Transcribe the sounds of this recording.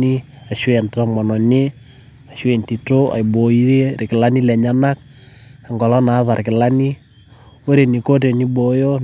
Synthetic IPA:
i˦ | a˨ʃwe˨nta˦mɔ˨nɔ˨ne˦ | a˨ʃwe˨nti˨to˦a̰˨jbo˨i˦ɾe˦ɾɪ˨kɪ˨la˦ni˦lɛ˨ɲa˦na˦k̚ | a˨ŋɡɔ˨lɔ˦na˨˦ða˨ɾɪ˨kɪ˨la˦ni˦ | o˦ɾe˨ni˨ko˦te˨ni˦bo˨jo˦

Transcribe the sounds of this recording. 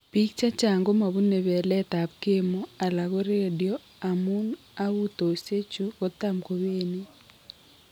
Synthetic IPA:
pi˦k̚t͡ʃa˦t͡ʃa˨ŋɡo˦ma˨βu˦ne˨βɛ˨lɛ˦ta˨p̚ke˦mo˦a˨la˨ɣo˦ɾe˦˨djɔ˦ | a˨mu˦n | a˦ɣu˦to˨se˦t͡ʃu˦ɣo˦ta˦mko˨βeː˦ne˦

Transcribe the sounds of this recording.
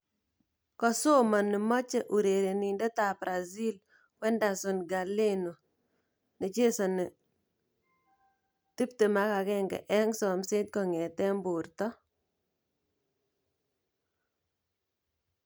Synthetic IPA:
kɔ˨so˦ma˨nɪ˨mɔ˦t͡ʃɛ˨ʔu˨ɾe˨ɾe˨ni˨ndɔ˦ta˨pɾa˨zi˦l | kwɛ˦nda˨sʊ˨nɡa˨le˦no˨ | nɪ˨t͡ʃe˦sɔ˨nɪ˨ | ti˦p̚te˨ma˦ka˨kɛ˦ŋɡɛ̰˨ʔɛ˦ŋsɔ˨mse˦t̚kɔ˨ŋɛ˨tɛ˦mbʊ˨ɾtɔ˦

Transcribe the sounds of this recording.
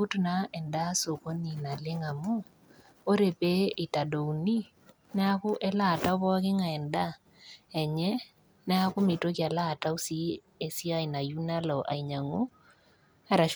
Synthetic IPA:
u˦tna˦ɛ˨nda˦so˨ko˦ni˨na˨lɪ˦ŋa˨mʊ˦ | o˦ɾe˨pe˦ɪ˨ta˨do˨wni˦ | nɛ˦a˦kʊ˦ʔɛ˦la˦˨ta˦ʊ˦βɔ˦a˦k̬ɪ˦ŋa˨ɛ˨nda˦ | ɛ˨ɲɛ˦ | nɛ˦a˦kʊ˦mɪ˨to˦kja˨la˦˨ta˦u˦si˦ | e˨si˦a˦ɪ˨na˨ju˦na˦lɔ˨ʔa̰˨i˨ɲa˨ŋo˦ | a˦ɾa˨ʃ

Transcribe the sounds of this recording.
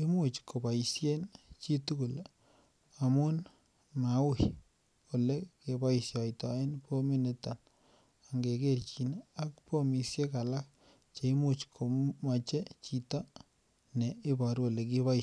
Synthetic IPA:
i˦mu˨t͡ʃko˨pa˨isje˦nt͡ʃi˦tu˦ku˨l | amu˦n | mawʊ˦j | o˨le˦ke˨ba˦i˨sja˨itɔe˦npo˦mi˦ne˨ta˨n | aŋɡe˨ke˦rt͡ʃi˨na˦k̚po˦mi˨sje˦ka˨la˦k̚ | t͡ʃe˨i˦mut͡ʃkʰo˨ma˨t͡ʃe˦t͡ʃi˨ta˦ | ne˨ɪ˦bɔ˨ɾwo˨le˨k̬iβa˦i

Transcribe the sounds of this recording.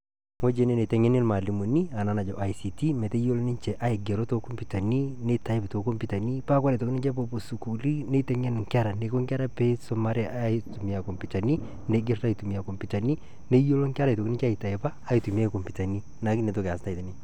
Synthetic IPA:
ŋo˦d͡ʒe˨ne˦ne˨tɛ˨ŋɛ˦nɪ˦lma˨li˨mu˨ni˦a˨na˨na˨d͡ʒɔ˨ʔa˨i˨si˨ti˦mɛ˨te˦jo˦lo˦nɪ˦nt͡ʃɛ˨ʔa˦ɪ˨ɡɛ˨ɾo˦to˦ko˦mpi˨ta˨ni˦ne˦ta˨ɪ˦bto˨˦ko˦mpi˨ta˨ni˦pa˦kwa˦ɾɛ˨to˨knɪ˦t͡ʃɛ˦po˨˦po˨su˨ku˨li˦ne˦tɛ˦ŋɛ˦n˨ŋkɛ˦ɾa˨ne˨ko˦ŋkɛ˦ɾa˦pe˦sɔ˦ma˦ɾɛ˦ʔa˦˨tu˨mi˨a˨kɔ˨mpi˨ta˨ni˦ | ne˨ɡɪ˦ɾa˦jtu˨mi˨a˨ko˨mpi˨ta˨ni˦ | ne˦jo˦lo˦ŋka˦ɾa˨to˨knɪ˦t͡ʃa˦˨i˨ta˨ɛ˨paː˦i˨tu˨mi˦a˦i˨kɔ˨mpi˨ta˨ni˦ | na˨˦ki˦ne˨to˦ke˨a˨sta˦˨ta˨ni˦

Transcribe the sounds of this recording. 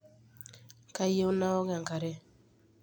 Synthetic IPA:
ka˨˦je˦o˦na˦ɔ˦ɡa˨ŋka˨ɾɛ˦

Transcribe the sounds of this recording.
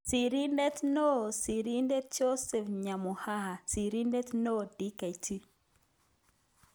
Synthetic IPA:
si˨ɾi˦ndɛ˦tno˦˨si˨ɾi˦nde˦t͡ʃo˦sɛ˨fɲa˨mu˨ha˦ha˨si˨ɾi˦ndɛ˦tno˦˨di˦ka˨i˨tʰi˦

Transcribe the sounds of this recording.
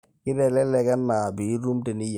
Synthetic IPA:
kɪ˦dɛ˨lɛ˦lɛ˨ka˦nːa˨bi˨˦ɾu˦mte˨ni˦j

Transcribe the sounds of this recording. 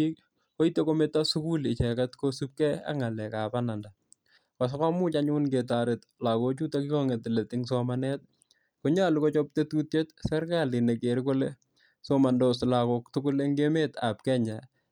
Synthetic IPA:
i | ko˦itːe˦kome˦tːasu˦ku˦lɪ˨t͡ʃɛ˨katkosu˦p̚kɛ˦a̰˦ŋa˨lɛ˨ka˨pana˨nda˨ | kɔ˨s̬ɔ˦kɔ˦mʊ˦t͡ʃa˦ɲʊ˦nke˨taɾɪ˨t | la˨ko˦t͡ʃu˦takɪ˦kɔ˦ŋe˨tɪ˨le˨tɪŋsɔmanɛ˦t̚ | koɲalukɔ˦t͡ʃɔ˦p̚te˦tu˦tje˦tsɛ˦rkalɪ˨ne˨ke˨ɾikole | soma˨ndɔsla˨ko˨ktʊkʊ˦le˦ŋɡe˦me˦ta̰p̚kɛ˦ɲa

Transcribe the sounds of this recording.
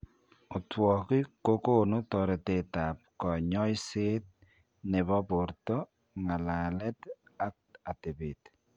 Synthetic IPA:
o˨twɔ˨ki˦ko˦ko˦no˦tɔ˨ɾe˨te˨ta˨p̚kɔ˨ɲɔ˦jse˦t̚ | ne˨βɔ˦bo˨ɾtɔ˦ | ŋa˨la˨lɛ˦ta˦k̚a˨te˨be˨t

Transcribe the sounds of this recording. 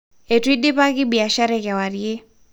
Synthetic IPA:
e˨twi˦di˦pa˦kɪ˦bi˨a˨ʃa˦ɾɛka˨wa˨ɾje˦

